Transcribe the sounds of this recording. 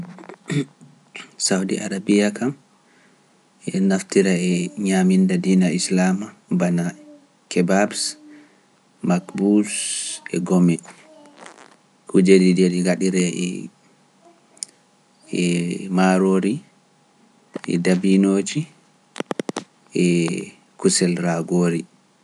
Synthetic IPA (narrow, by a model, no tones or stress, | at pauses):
sawdḭʔa̰ɾabijakʰam | ɛnaftiɾaɛɲamindadiːnaislamabana | kʰɛbabs | makbusɛ̰ɡomɛ | kʰud͡ʒedideɾiɡaɗiɾɛɛ̰ | ɛmaɾoːɾi | ʔɛ̰dabinoːd͡ʒi | ʔɛ | kusɛlɾaɡoːɾi